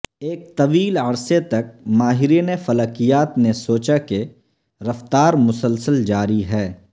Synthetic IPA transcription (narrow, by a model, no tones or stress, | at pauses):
eːk̚t̪ɐʋiːlɐɾset̪ɐk̚maːɦɪɾinefɐlaːkijaːt̪nesoːt͡ʃake | ɾɐft̪aːɾmʊsəlsəld͡ʒaːɾiɦɛː